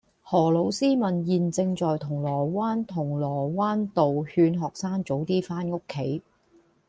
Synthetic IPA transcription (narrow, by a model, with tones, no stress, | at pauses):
hɔː˨˩lo˨˧wsiː˥mɐ˨njiː˨nt͡sɪ˧ŋt͡sɔː˨jt̪ʰʊ˨˩ŋlɔː˨˩waː˥nt̪ʰʊ˨˩ŋlɔː˨˩waː˥nt̪o˨whyː˧nɦɔː˨˩k̚saː˥ŋt͡so˨˥wt̪iː˥faː˥nŋʊ˥kʰːe˨˥j